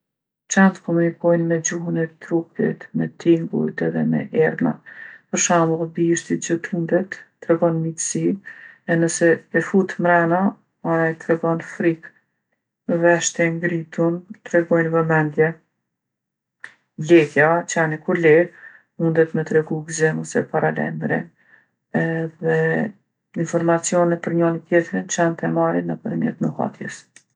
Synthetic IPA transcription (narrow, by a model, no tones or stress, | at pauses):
t͡ʃant̪kɔmunikɔjnmɛd͡ʑuɦunɛt̪ɾupḭt̪mɛt̪iŋɡṵt̪ɛðɛmɛ̰ʔɛɾna̰pəɾʃamlbiʃt̪it̪̚d͡ʑət̪mund̪ɛt̪ːɾɛɡɔnmit̪siɛnəsɛːfut̪mɾɛna | aajt̪ɾɛɡɔnfɾik | vɛʃt̪ɛŋɡɾit̪unt̪ɾɛɡɔjnvɛmɛnd̪jɛ | vlɛhjat͡ʃanɛkuɾlɛɾ | mund̪ɛt̪mət̪ɾɛɡuɡzɛmɔsɛpaɾalɛ̰mɾɛn | ɛðɛ | infɔɾmat͡siɔnɛpəɾɲɔnit̪jɛt̪ɾint͡ʃɛnt̪ɛmaɾinəpəɾmjɛ̰t̪nəha̰t̪jɛ̰s